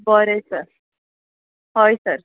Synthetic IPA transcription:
bəɾesəɾ | ɦojsəɾ

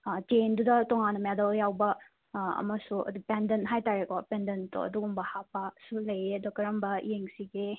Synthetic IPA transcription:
t͡ʃejndudɐtɔŋanːɐmɛdeljawbɐ | ɐ̰mɐsuɐ̰dupendentɦajtaɾekɔpendento̰ɐ̰duɡumbɐhapasulɐjedɔkɐɾɐmbɐḭjeŋsiɡe

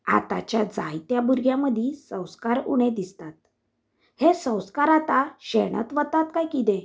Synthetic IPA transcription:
a̰t̪a̰t͡ɕjad͡za̰jt̪jabuɾɡjãməd̪ʱĩsə̃w̃skaɾuɽ̃ẽd̪ist̪at̪̚ | hesə̃w̃skaɾat̪aɕeɽ̃ə̰t̪ʋət̪ːat̪kajkit̪ẽ

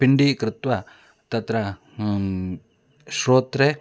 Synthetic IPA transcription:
piɳɖikɾɪt̪wa | t̪ɐt̪ɾa | sɾoːt̪ɾe

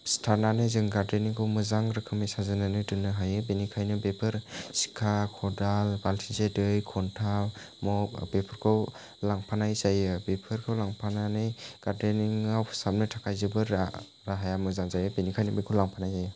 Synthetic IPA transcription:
stʰaɾnanɯjzɯŋɡadeniŋkʰɯwmɯzaŋɾɯkʰɯmajsazɯnanɯdɯnɯɦajɯbenikʰajnɯbepʰɯɾsi̥kʰakʰɔdalbalsʰinsedɯjkʰɔntʰa | mɔkbepʰɯɾkʰɯw | laŋpʰanajzajɯbepʰɯɾkʰɯwlaŋpʰananɯjɡ̥adeniŋaw̥ʰsap̚nɯtʰakʰajzɯbɯɾ | ɾaɦajamɯzaŋzajɯbenikʰajnɯbekʰɯwlaŋpʰanajzajɯ

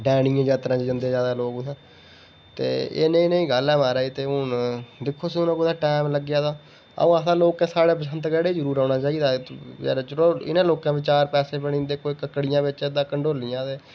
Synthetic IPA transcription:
ɖɛːɽɪãːd͡ʒaːt̪ɾãːt͡ʃed͡ʒənd̪eːzjaːd̪aːloːksãː | t̪ḛːḛːnẽĩnẽĩːɡəlɛːmaːɾaːiːt̪eːʊnd̪ɪkʰːoːsiːʊnãːkʊd̪aːʈɛːmləɡjaːd̪aː | ə̰̃ːasãːloːkɛːsaːɽeːp̬əsənt̪ɡɛːɽed͡ʒəɾuːɾãːnaːt͡ʃaːiːd̪aːɛ̰ːɾːt͡ʃɾoːɪ̰nãːloːkãːʋɪt͡ʃaːɾpɛːseːpəɽ̃ĩːnd̪eːkoːiːkəkːɽɪjãːʋɪt͡ʃːd̪ãːkəɳɖoːlijãːt̪eː

